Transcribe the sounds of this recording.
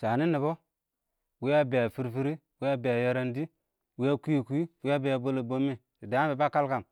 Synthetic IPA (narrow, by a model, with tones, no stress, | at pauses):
sa˨ni˦ni˨bo˦ | wi˦ja˦be˨a˨fi˦ɾfi˦ɾi˦ | wi˦ja˦be˨a˨ja˦ɾa˦ndi˦ | wi˦ja˦ku˦ji˨ku˦i˦wi˦ja˦be˨ja˨bo˦lo˨bo˦mːi˦ | si˨da˨˦a˦be˨ba˦ka˦lka˨m